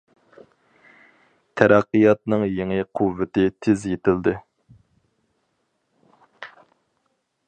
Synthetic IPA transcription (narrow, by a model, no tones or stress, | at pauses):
t̪ʰæɾæqːɨjɑt̪̚nɨŋjeŋɪqʰuvːɪt̪ɪt̪ʰɪzjet̪ɪld̪ɪ